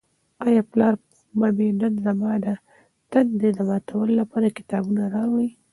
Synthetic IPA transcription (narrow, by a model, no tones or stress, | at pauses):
ɑjɑplɑɾ | babeɖanzamɑd̪a | t̪and̪ed̪əmɑt̪ʰawəlolapɑɾakɪ̥t̪ɑbunaɾɑwai